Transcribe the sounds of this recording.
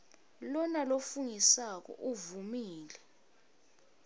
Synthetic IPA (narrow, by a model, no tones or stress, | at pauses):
lɔnalofuŋisak̬ɔ̰ʔuvumiːlɛ